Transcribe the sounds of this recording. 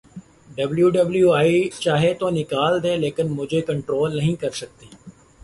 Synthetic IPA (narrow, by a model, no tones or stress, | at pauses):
ɖəbljuːɖəbljuːaːit͡ʃaːɦet̪oːnɪkaːld̪eːleːkɪnmʊd͡ʒʱeːkəɳʈɾoːlnəɦĩːkəɾsək̚t̪iː